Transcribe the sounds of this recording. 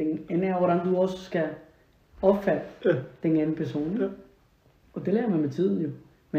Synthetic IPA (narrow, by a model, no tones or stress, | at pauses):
d̥enenæɐʋɒɾænd̥uɒ̽ssɡ̥æ | ɒ̽b̥fæd̥əd̥enænn̩pʰæɐso̝̰ːn | ɒ̽d̥e̝leːɐmænmet͡sʰið̞̰ˠn̩jo̝ | me